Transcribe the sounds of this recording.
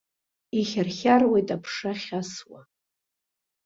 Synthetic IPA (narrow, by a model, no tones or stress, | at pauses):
iχʲarχʲarwejtʼapʰʂaχʲaswa